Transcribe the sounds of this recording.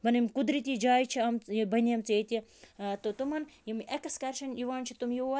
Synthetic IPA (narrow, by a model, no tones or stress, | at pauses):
bɐnɐmkud̪ɾit̪id͡ʒaːjt͡ʃʰiɐmbɐniɐmt͡set̪ʲet̪ot̪umɐnjimiʔɐkɐskɐɾʃɐnjiʋaːnt͡ʃʰit̪umjuɐ